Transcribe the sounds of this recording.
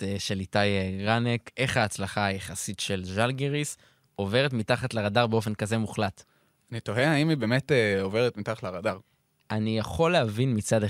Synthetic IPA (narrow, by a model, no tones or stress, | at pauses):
ʃe̞litajɡʁaneke̞χhaːt͡slaχaːjaχasitʃe̞lʒalɡiʁis | o̞ve̞ʁetmitaχatlaʁadaʁbeo̞fe̞nkaze̞muχlat | anitoheaimibe̞ːmeteoveʁetmitaχatlaʁadaʁ | ʔanijaχo̞leavinmit͡sade